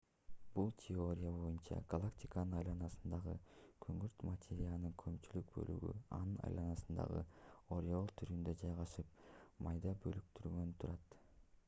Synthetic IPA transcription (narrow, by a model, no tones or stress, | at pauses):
b̥ulˠtʲʰeo̞ɾʲɪjab̞o̞junt͡ʃɑ̰ɡalˠaktʲikanɯnɑjlˠɑnɑsɯ̥nd̪ɑʁɯkʰøŋyɾt̪mat̪ʲʰeɾʲijalˠnɯŋkʰɵ̞mt͡ʃylyk̚bø̞̰ly̰ɡy̰ɑ̰nɯnɑ̰jlˠɑnɑsɯnd̪ɑ̰ʁɯ̰o̞ɾjolˠt̪ʰyɾynd̪ø̞d͡ʒɑjʁɑʃɯp̚mɑjd̪ɑbølyk̚t̪yɾɡø̞nt̪ʰuɾɑt̪